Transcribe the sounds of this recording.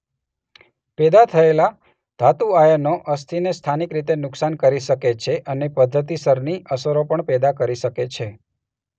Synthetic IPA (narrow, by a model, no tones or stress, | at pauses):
pɛd̪at̪ʰəela | d̪ʱat̪uajənoʔəst̪ʰinest̪ʰanikɾit̪enʊksankəɾiʃəket͡ʃʰeʔənepəd̪ʱːət̪̬isəɾniʔəsəɾopəɳpɛd̪akəɾiʃəket͡ʃʰe